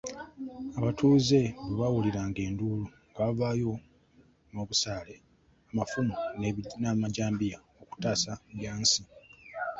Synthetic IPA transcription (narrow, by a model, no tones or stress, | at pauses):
aβatʰuːze̞βuβawuliɾaːŋɡe̞ːnduːluŋɡavaːjo̞ | moβusaːle̞ | amafumunnamaɟaːmbija | oku̥taːsaɡjaːnsi